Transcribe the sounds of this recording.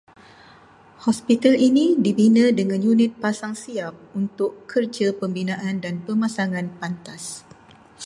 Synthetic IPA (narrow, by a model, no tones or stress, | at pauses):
hɔspit̪alinĩdibinə̃dəŋãnjunɪt̪̚pasaŋsiap̚unt̪ʊkkərd͡ʒəpəmbinãʔandanpəmãsaŋãnpant̪as